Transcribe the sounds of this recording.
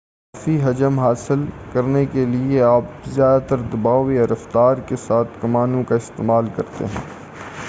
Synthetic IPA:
aːfiɦɐd͡ʒəmɦaːsɪlkɐɾnekelieaːpzjaːd̪t̪əɾd̪ɐbaːoeɐɾəft̪aːɾkesaːt̪ʰkɐmaːnõkaɪst̪eːmaːlkɐɾt̪ḛɦɛ̰̃ː

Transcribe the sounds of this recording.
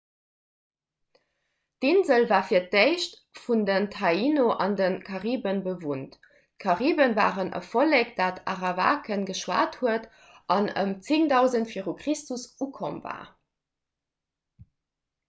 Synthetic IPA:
dinzəlvaːfiːɐt̚deɪʃt | fundəntʰɑinoʔɑndənkʰɑʁiːbənbəvunt | kʰɑʁiːbənva̰ːʁənə̰folekd̥aːtʰɑʁɑva̰ːkənɡəʃwa̰ːthuət | ʔɑnə̰mt͡siŋdɑʊzəntfiːʁukʁ̥istusukʰomva̰ː

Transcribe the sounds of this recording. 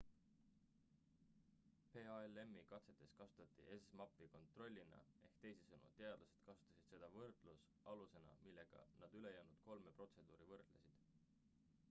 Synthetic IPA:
pe̞ːɑele̞mːikɑt̪se̞t̪ːˑe̞skɑsu̥t̪ːˑɑt̪ːˑḭʔesmɑpːˑiko̞nt̪ˑro̞lʲːinɑ̰e̞hkt̪e̞jsesɤnṵt̪e̞ɑd̪lɑsed̪̥kɑsu̥t̪ːˑɑsid̪̥se̞d̪̥ɑvɤrd̪̥lus | ɑluse̞nɑ̰milːe̞ɡ̥ɑ̰nɑd̪̥yle̞jæːnud̪̥̚ko̞lmepro̞t̪se̞d̪̥uːɾivɤrd̪̥lesid̪̥

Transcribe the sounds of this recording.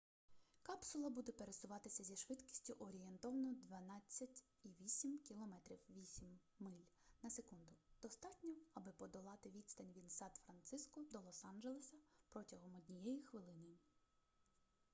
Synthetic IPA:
kɑpsʊlˠɐbud̪ɛpeɾesʊʋɑt̪ɪsʲɐzʲiʃʋɪd̪kʲi̥sʲtʲʊʔɔɾʲijent̪ɔʋɐnɔd̪ʋɐnɑt͡sʲːɐtʲ | iʋʲisʲimkʲilˠɔmɛt̪ɾʲiwʋʲisʲimː | ɪlʲnɐsekund̪ʊd̪̥ɔst̪ɑtʲnʲɔwɐbɪpɔd̪ɔlˠɑt̪ɪʋʲid̪ʲst̪ɐnʲʋʲinsɑt̪fɾɐnt̪sɪskɔd̪ɔlˠɔsɑnʒelˠesʲɐpɾɔtʲɐɦɔmɔdʲnʲijɛjixʋɪlˠɪnɪ

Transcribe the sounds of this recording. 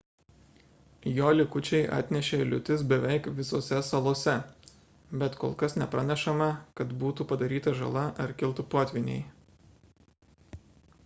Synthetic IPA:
joːlʲɪkʊt͡ʃʲɛɪʔɑ̰ːt̪ʲnʲɛʃʲeːɪlʲʊ̰t̪ʲɪsbʲɛʋʲɛɪkʋʲɪsoːsʲɛsɐlˠoːsʲɛ | bʲɛt̪koːlˠkɐsnʲɛpɾɐnʲɛʃɐmɐkɐt̪buːt̪upɐd̪ɐɾʲiːt̪ɐʒɐ̰lˠɐʔɐɾkʲɪlˠt̪ʊpoːt̪ʲʋʲɪnʲɛ̰ɪ

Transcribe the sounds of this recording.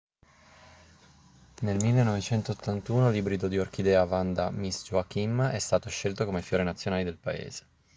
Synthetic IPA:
nelmilːenːɔvet͡ʃɛnt̪oːt̪ʰːant̪uːnolibɾid̪od̪iorkid̪ɛːavand̪amisd͡ʒuak̟imɛst̪aːt̪oʃelt̪okomefjoːɾinat̪sːjonaːlid̪elpaḛːz̥e̥

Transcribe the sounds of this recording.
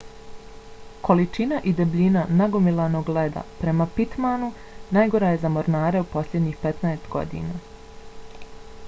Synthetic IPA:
kʰo̞lit͡ʃinaʔid̪ebʎʲinanaɡomilˠano̞ːɡled̪a̰pɾe̞mapit̪manu | naːjɡo̞ɾaje̞zamo̞ɾnaːɾeupo̞slʎʲed̪ɲiːxpet̪naest̪ɡo̞̰d̪ḭnaː

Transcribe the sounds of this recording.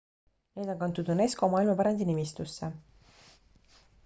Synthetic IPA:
neːd̪o̞kɑnt̪ːˑud̪̥une̞sko̞mɑːilmɑpæɾɑnd̪̥inimist̪usːe

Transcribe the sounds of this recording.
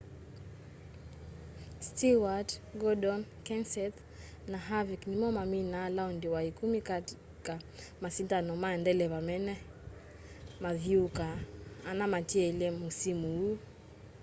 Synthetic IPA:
stiwatɡɔdɔnkɛnsɛt̪ | naɦaviknimɔmaminaːlaɔndiwaikumikati | kamasintanɔmaɛndɛlɛβamɛnɛ | maðiukaːnamatiɛilɛmusimuu

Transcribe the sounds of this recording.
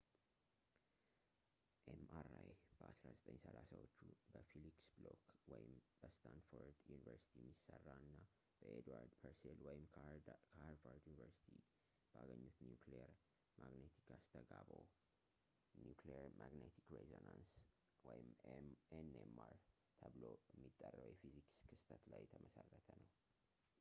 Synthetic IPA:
ʔemaɾajb̥əʔasɾazət̪ʼə̰ɲsəlasawot͡ʃːubəfiliksblokwɔjɪmb̥əst̪ʰanfoɾd̪junivəɾsi̥t̪ʰimːisərːaɨnːa | b̥əʔed̪waɾd̪pʰəɾselwɔjɪmkʰaɾfaɾd̪junivəɾsi̥t̪ʰi | b̥aɡəɲːut̪njukleəɾ | maɡnet̪ʰi̥kʰast̪ʰəɡabo | njukleəɾmʔaɡnet̪ʰikɾezonans | wɔjɪmenemaɾ | t̪ʰəβlojɛmːit̪ʼːərːəwjɛfizikskʰɨst̪ʰət̪lajːɛt̪ʰəməsərːət̪ʰənəw

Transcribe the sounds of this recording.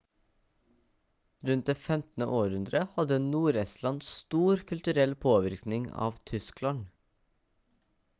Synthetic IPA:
ɾʉnt̪̚d̪eːfɛmt̪n̩ə̰ʔoːɾʉnd̪ɾəhɑd̪ənuːɾɛst̪lɑnsst̪uːɾkʰʉlt̪ʉɾɛlpʰoːʋɪɾknɪŋɑ̰ːʋt̪ʰʏsklɑn

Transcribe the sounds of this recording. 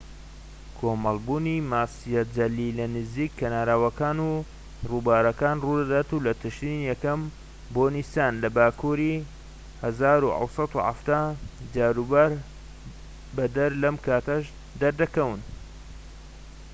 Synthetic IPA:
kʰomɑlˠbuːnimaːsijɐt̪̚d͡ʒɐlːilɐnɨziːkʰːɐnaːɾaːwɐkaːnu | rubaːɾɐkaːnruːd̪ɐd̪aːt̪ulɐt̪ʰɨʃtinijɛkɐm | boːnist̪aːnlɐbaːkʰuːɾi | hɐzaːɾuʔɑ̰wsˤɑt̪uha̰ft̪aːd͡ʒaːɾubɐɾ | bɐd̪ɐɾlɐmkʰaːt̪ɐʃ | d̪ɐɾd̪ɐkɐwɨn

